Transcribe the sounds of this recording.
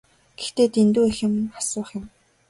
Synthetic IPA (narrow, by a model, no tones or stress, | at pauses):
ɡ̥ext̪eːt̪ʰent̪uːexɪ̆m̆nχḁsʊːχjʊ̆m